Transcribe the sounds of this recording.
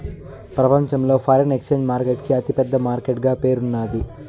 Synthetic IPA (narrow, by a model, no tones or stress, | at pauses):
pɾɐpɐɲt͡ʃɐmlo̞ːpʰɐːɾɐnekst͡ʃeːɲd͡ʒmaːɾkeʈkiɐt̪ipɛd̪ːɐmaːɾkeʈɡaːpe̞ːɾunːaːd̪i